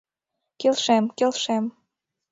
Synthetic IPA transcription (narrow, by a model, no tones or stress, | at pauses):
kelʃemkelʃem